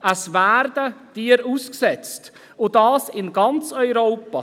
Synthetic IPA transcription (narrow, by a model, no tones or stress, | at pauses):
əsvæːɾdəd̥iːəɾuːsksɛt͡st | ʊdɑːsɪnɡɑnt͡sœʏɾoːpɑ